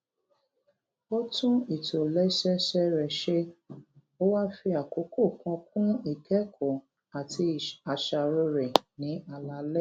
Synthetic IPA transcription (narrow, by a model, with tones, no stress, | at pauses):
o˦tũ˦i˨to˨lɛ˦ʃɛ˦ʃɛ˦ɾɛ˨ʃe˦ | o˦wa˦fi˧a˨ko˨˦ko˦˨kɔ̃˧k̚ũ˦i˦˨kɛ˨˦kʰɔ˨ | a˨tʰi˧˨a˨ʃa˨˧ɾo˧ɾɛ˨nĩ˨˦a˨la˧˦lɛ˦˨